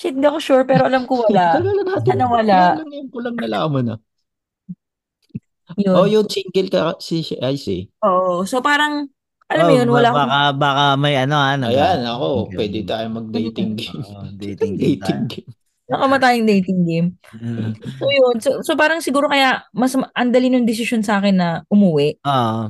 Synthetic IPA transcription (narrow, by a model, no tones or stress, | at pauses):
t͡ʃɪt̪̚ɡ̪ɐkoʃuɹpɛːɾo̞ʔɐlamkowɐlaʔɡalɐnaːt̪ːnɐwɐlaʔlɐŋjʊŋkolɐŋnɐlaːmɐnɐ | joojʊŋsiŋkɪlkɐsiʔajsɛ̰ʔoːʔoso̞paːɾɐŋ | ʔɐlamjonwɐllaʔakɐbaːkɐmɐjʔɐno̞anɐjanɐkopwɛːd̪ɪt̪aːjomɐɡ̚d̪ɛjt̪ɪŋɡemʊŋd̪ejt̪ɪŋɡɪm | nɐkɐmɐt̪̬aːjoŋd̪ɛjt̪ɪŋɡɪm | sojonsosopaːɾɐŋsɪɡuːɾokɐjamɐsʔɐnd̪ɐlinʊŋd̪ɪs̬ɪʃo̞nsɐʔaːkɪnːɐʔʊmuːwɛʔʔoʔ